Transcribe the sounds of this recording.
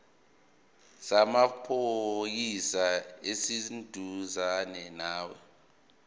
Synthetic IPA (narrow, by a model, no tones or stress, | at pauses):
samapʰojisaesindʱuzanɛnaːwɛ